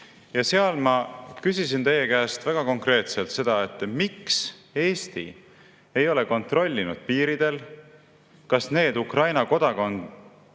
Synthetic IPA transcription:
jɑseɑlmɑkysisint̪e̞jːekæːst̪væɡ̥ɑko̞ŋkre̞ːt̪selt̪se̞d̪̥ɑe̞t̪ːˑmikse̞ːst̪ḭ | e̞jo̞le̞ko̞nt̪ro̞lʲːinud̪̥̚piːɾid̪̥e̞l | kɑsne̞ːd̪ukrɑjnɑko̞d̪̥ɑkon

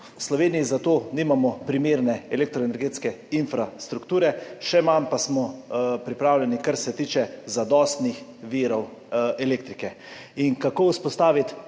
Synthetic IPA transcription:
slɔʋeːnijizat̪oːniːmamɔpɾimeːɾnɛɛlek̚t̪ɾɔɛnɛɾɡeːt̪skɛinfɾast̪ɾukt̪uːɾɛʃɛmampasmɔpɾipɾaːwlʲɛnikaɾsɛt̪iːt͡ʃɛzad̪ɔːst̪nixʋiːɾɔwɛleːk̚t̪ɾikɛ | iŋkakoːuspɔst̪aːʋit̪

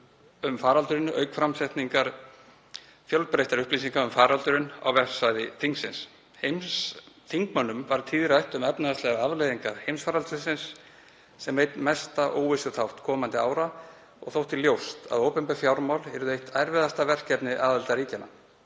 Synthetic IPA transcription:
ʏmfaːɾalt̪ʏɾɪnʔœ̰ɥkfɾamsɛht̪niŋkaɾ | fjœlpɾejht̪aɾʏhplisiŋkaʏmfaːɾalt̪ʏɾɪna̰wvɛsajðɪθiŋksɪns | hejmsθʰiŋkmœnːʏmvaɾt̪ʰiːðɪɾajht̪ʏmɛpnaɛst̪lɛɣaavlejðiŋkaɾ̥hejmsfaːɾalt̪ʏsɪnsː | ɛmvejt̪mɛst̪aʔoːwvɪsʏt̪ʰawht̪kʰɔːmant̪ɪaːwɾa | ɔ̰ɣθowht̪iljowst̪a̰ðoːwpɛmpɛfjawɾmawlɛɾʏðejht̪ʰajɾvɛðast̪avɛr̥cɛpnɪʔaːðalt̪aɾiːcɪnːa̰

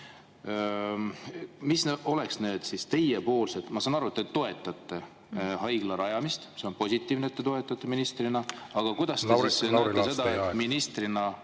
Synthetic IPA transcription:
misneo̞leksne̞ːd̪̥sist̪e̞jepo̞ːlset̪ːˑmɑsɑnɑɾuet̪ːet̪ːo̞e̞t̪ːˑɑt̪ːe̞ | ɦɑjɡ̥lɑɾɑjɑmist̪se̞onpo̞sʲit̪ːˑiːvnet̪ːet̪o̞e̞t̪ːˑɑt̪ːeminist̪rinɑɑɡ̥ɑkujd̪̥ɑst̪essisenot̪ːese̞d̪ɑet̪ːminist̪rinɑ

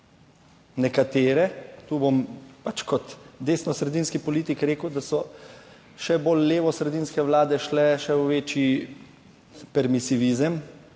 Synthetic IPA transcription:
nɛkat̪eːɾɛt̪uːbompat͡ʃkɔt̪d̪eːsnɔsɾɛd̪iːnskipɔliːt̪ikɾeːkəwd̪asɔ | ʃɛbolːeːʋɔsɾɛd̪iːnskɛʋlaːd̪ɛʃlɛʃɛwʋeːt͡ʃi | pɛɾmisiʋiːzəm

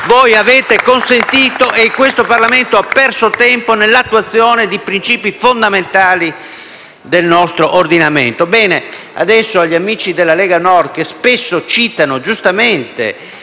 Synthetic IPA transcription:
voːjavɛːt̪ekonsent̪iːt̪oʔekːwest̪oparlament̪oapːɛrsot̪ɛmponelːat̪ːuwat̪sːjɔːned̪ipɾint͡ʃiːpifond̪ament̪aːli | d̪elnɔst̪ɾoʔord̪inamḛnt̪obɛːne | a̰d̪ɛsːoaʎːiamiːt͡ʃid̪elːalɛːɡanɔrkespesːot͡ʃiːt̪anod͡ʒust̪ament̪ḛ

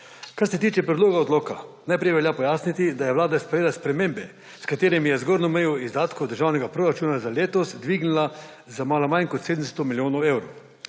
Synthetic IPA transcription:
kaɾsɛt̪iːt͡ʃɛpɾɛd̪loːɡaɔd̪loːkanajpɾɛjʋɛljapɔjaːsnit̪id̪ajɛʋwlaːd̪aspɾɛjeːlaspɾɛmeːmbɛ | skat̪eːɾɛmjɛzɡoɾnɔmɛjɔizd̪aːt̪kɔd̪əɾʒaːwnɛɡapɾoːɾat͡ʃuːnazaleːt̪ɔzd̪ʋiɡnila | zamaːlamankɔt̪seːd̪mst̪ɔmiljoːnɔwewɾow

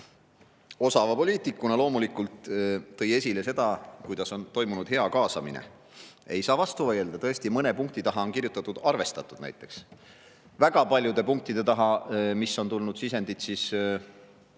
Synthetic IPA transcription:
o̞sɑvɑpo̞liːt̪ikːˑunɑlo̞ːmulikult̪ːɤ̞je̞sʲile̞se̞d̪̥ɑkujd̪̥ɑso̞nt̪o̞jmunud̪ɦe̞ɑkɑːsɑmḭnḛ | e̞jsɑːvɑst̪uvɤjeld̪ɑt̪ɤ̞est̪imɤne̞puŋk̚t̪it̪ɑɦɑo̞nkirjut̪ːˑɑt̪ːˑud̪̥ɑrve̞st̪ɑt̪ːˑud̪̥næ̰jt̪ːˑe̞ks | væɡ̥ɑpɑlʲjud̪̥e̞puŋk̚t̪id̪̥e̞t̪ɑɦɑmisːo̞nt̪ulnud̪̥sise̞nd̪̥it̪siːs

